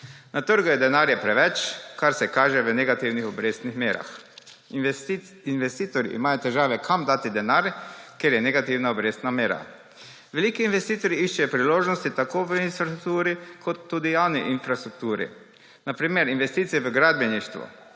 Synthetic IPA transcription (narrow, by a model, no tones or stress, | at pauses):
nat̪əɾɡujed̪enaːɾjepɾɛʋɛt͡ʃkaɾsɛkaːʒɛʋəneɡat̪iwnixobɾeːst̪nixmjeːɾa̰x | inʋest̪iːt̪oɾḭʔḭmaːjot̪ɛʒaːʋɛkʰamd̪aːt̪id̪enaːɾkjeɾjɛneɡat̪iwnaobɾeːst̪nameːɾa̰ | ʋeliːkiːnʋest̪iːt̪oɾiiʃt͡ʃɛjopɾiloːʒnost̪it̪akoːʋəinst̪ɾukt̪uːɾikʰot̪ːuːd̪ijaːwniʔinfɾast̪ɾuk̚t̪uːɾḭ | napɾiːmjɛɾinʋest̪iːt̪sijɛʋəɡɾaːd̪̚bjeniʃt̪ʋṵ